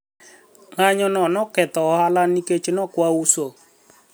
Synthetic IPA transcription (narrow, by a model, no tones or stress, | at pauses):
ŋaɲɔnɔnɔkɛt̪ɔhalaniket͡ʃenɔkwauso